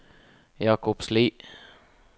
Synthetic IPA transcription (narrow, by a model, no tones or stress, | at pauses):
jɑːkʊpsliː